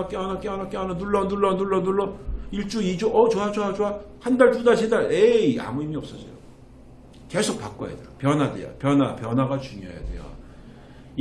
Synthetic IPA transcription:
ak͈eanak͈eanak͈eananuɭːʌnuɭːʌnuɭːʌnuɭːʌiɭt͡ɕ͈uid͡ʑoʔʌt͡ɕoat͡ɕoat͡ɕoa | handaɭtudaɭsʰidaɭea̰muimiʌps͈ʌsʰʌ̰jo̰ | ke̞sʰok̚p͈ak͈o̰ja̰dejopjʌnwadḛjo̰pjʌnapjʌnɦaɡat͡ɕuŋjo̰ɦa̰ja̰dḛjo̰

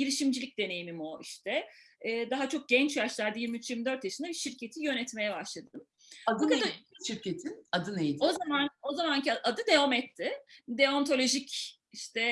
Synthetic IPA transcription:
ɟiɾiʃimd͡ʒilʲic̚d̪e̞ne̞jimimo̞ʔiʃt̪ʰɛː | d̪aɦat͡ʃʰo̞k̚ɟɛnt͡ʃjaʃlˠaɾd̪ɯjiɾmiyt͡ʃjiɾmid̪øɾt̪jaʃɯnd̪abiʃiɾcʰe̞t̪ʰijø̞nɛt̪me̞jɛbaʃlˠad̪ɯd̪ɯm | ad̪akad̪ʃiɾcet̪ʰinad̪ɯnejid̪ozamano̞zamanciʔad̪ɯd̪eomɛt̪ʰːɪd̪eont̪ʰo̞lʲo̞ʒic | iʃt̪ʰɛ

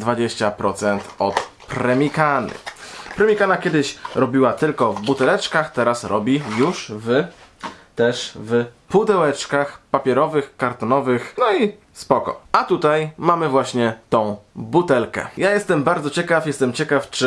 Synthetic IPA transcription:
d̪vad͡ʑeɕt͡ɕapɾɔt̪sɛnt̪ɔt̪ | pɾɛmʲikanɘ̰pɾɛmʲikanakʲɛd̪ɘɕɾɔbʲiwat̪ɘlkɔvbut̪ɛlɛt͡ʂkaxt̪ɛɾasɾɔbʲijuʂv | t̪ɛʂvpud̪ɛwɛt͡ʂkaxpapʲjɛɾɔvɘxkaɾt̪ɔnɔvɘxnɔi | spɔkɔ̰ʔat̪ut̪ajmamɘvwaɕɲɛt̪ɔ̃w̃but̪ɛlkɛ̰jajɛst̪ɛmbaɾd̪zɔt͡ɕɛkafjɛst̪ɛmt͡ɕɛkaft͡ʂɘ

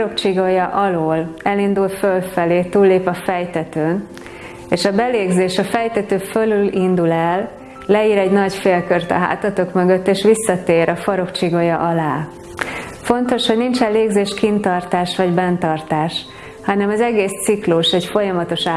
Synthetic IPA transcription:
ɾokt͡ʃiɡojɒʔɒloːlɛlind̪ulfølfɛleːt̪uːlːeːpɒfɛjt̪ɛt̪øːn | eːʃɒbɛleːɡzeːʃɒfɛjt̪ɛt̪øːfølylind̪ulɛlː | ɛiːɾɛɟnɒɟfeːlkørt̪ɒ̰ɦa̰ːt̪ɒt̪okmøɡøt̪ːeːʃʋisːɒt̪eːɾʔɒfɒɾo̞kt͡ʃiɡojɒʔɒlaː | fo̞nt̪o̞ʃho̞ɟnint͡ʃɛlleːɡzeːʃkint̪ɒrt̪aːʃʋɒɟbɛnt̪ɒrt̪aːʃ | hɒnɛmɒzɛɡeːst̪sikluʃɛcfo̞jɒmɒt̪o̞ʃaː

